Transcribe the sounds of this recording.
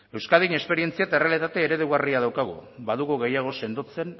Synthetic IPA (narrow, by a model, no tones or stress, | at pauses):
e̞wskaðiɲe̞spe̞ɾie̞nt͡siat̪ere̞ale̞t̪at̪e̞ːɾe̞ðuɣariaðawkaɣṵbaðuɣuɣe̞jaɣ̞o̞se̞nd̪ot͡se̞n